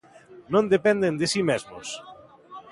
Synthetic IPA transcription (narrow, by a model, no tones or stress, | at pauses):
nõnd̪epɛnd̪end̪esimezmʊ̰s